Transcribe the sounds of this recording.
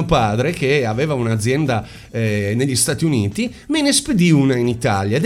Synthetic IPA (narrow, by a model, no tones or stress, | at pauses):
opaːd̪ɾekeaveːvaunad̪zːjɛnd̪a | neʎːist̪at̪iuniːt̪i | menesped̪iunainit̪aljad̪